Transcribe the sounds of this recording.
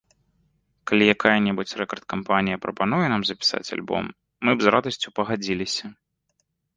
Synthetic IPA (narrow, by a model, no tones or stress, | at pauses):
kalʲijakajɐnʲɛbut͡sʲrɛkɐrt̪̚kampanʲijɐpɾɐpanujɛnamzɐpʲi̥sa̰t͡sʲa̰lʲbɔ̰mː | ɨbzrad̪ɐsʲt͡sʲupɐɣad͡zʲilʲisʲɐ